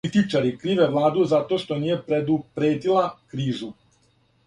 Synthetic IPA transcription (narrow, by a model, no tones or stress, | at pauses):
it̪it͡ʃaɾikɾiːʋe̞ʋlˠaːd̪uzat̪o̞ʃt̪o̞niːje̞pɾe̞d̪upɾeːt̪ilˠakɾiːʒu